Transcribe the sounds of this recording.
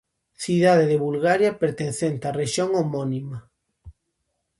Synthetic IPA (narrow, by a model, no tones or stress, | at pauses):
θiðað̞eðeβulɣaɾjapeɾt̪enθent̪areʃjoŋomonima